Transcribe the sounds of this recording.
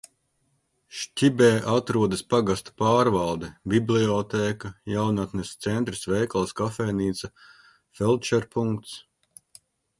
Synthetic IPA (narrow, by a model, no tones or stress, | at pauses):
ʃcʲibɛːʔat̪ɾuɔd̪ɐspaɡast̪u̥paːɾvalˠd̪ɛbibliɔt̪ɛːkajawnat̪nɛst̪sɛnt̪ɾisvɛjkalˠskafɛːniːt̪sɐ | fɛlˠt͡ʃɛɾpuŋkt̪s